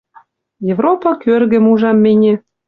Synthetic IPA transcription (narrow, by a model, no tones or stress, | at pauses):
jevropɑkørɣɘ̆muʒɑmːenʲĕ